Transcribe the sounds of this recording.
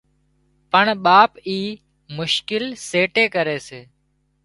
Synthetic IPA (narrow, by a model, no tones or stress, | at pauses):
pəɳɓaːpiː | mʊʃkɪlseːʈeːkəɾeːseː